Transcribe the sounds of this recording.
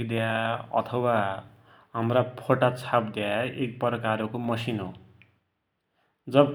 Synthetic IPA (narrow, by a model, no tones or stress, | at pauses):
kd̪eaʌ̰t̪ʰʌwa | ɦamrapʰoʈat͡sʰapd̪eaek̚pʌɾʌkaɾokomʌsinɦo | d͡zʌb